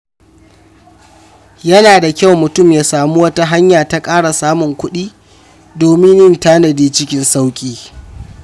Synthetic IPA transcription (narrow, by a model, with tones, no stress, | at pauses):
jɐ˦naː˨da˨kʲa˦wmʊ˨tʊ˦˨mjaː˨saː˨mu˦wɐ˦ta˦ɦa˦ɲjaː˨ta˦kʼaː˦ɽa˨saː˦mʊ˨ŋkʷʊ˦ɗiː˦ | doː˨mɪ˦njɪ˦ntaː˦nɐ˨diː˦t͡ʃɪ˦kʲɪ˦nsa˦wkʲʼiː˦